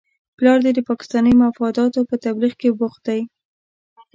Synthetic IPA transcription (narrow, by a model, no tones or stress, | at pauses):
plɑɾd̪ed̪əpɑkɪ̥st̪ɑnəjmafɑd̪ɑt̪opət̪abɾiɣkebʊxd̪aj